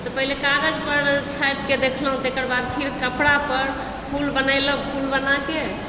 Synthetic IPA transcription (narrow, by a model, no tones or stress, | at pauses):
t̪ɔpəɦilekaɡəd͡ʒpəɾt͡ʃʰajp̚ked̪ekʰləɦũt̪ekəɾbad̪̚pʰiɾkəpɽapəɾ | pʰulbənaɪləpʰulbənake